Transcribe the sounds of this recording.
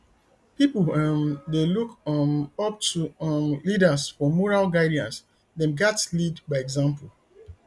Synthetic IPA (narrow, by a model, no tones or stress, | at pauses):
pipl̩mdelukʌp̚tumlidəsfɔmɔɹalɡaɪdiãns | dɛ̃nɡatlidbaɪɛɡzãmpl